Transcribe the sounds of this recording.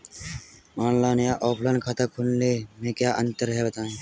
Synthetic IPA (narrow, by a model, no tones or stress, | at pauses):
maːnlaːnjaːʔoːpʰlənkʰat̪akʰunleːmẽːkjaːʔənt̪əɾɦɛːbət̪aːẽː